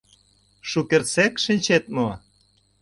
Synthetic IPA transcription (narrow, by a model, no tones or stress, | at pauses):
ʃukert͡sekʃinʲt͡ɕet̪̚mu